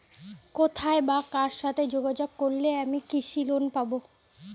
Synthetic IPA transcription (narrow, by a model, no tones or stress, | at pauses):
kot̪ʰaebakaɾʃat̪ʰed͡ʑoɡad͡ʑoɡ̚koɾleamikiʃilonpabo